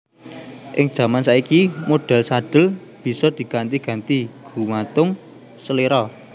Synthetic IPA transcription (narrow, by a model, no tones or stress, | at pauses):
ʔɪ̰ŋd̥ʒ̥a̤mansaikimoɖ̥a̤lsaɖ̥ə̤l | b̥i̤sɔd̪̥i̤ɡ̥ant̪iɡ̥a̤nt̪iɡ̥ṳmat̪ʊŋ | səleɾɔ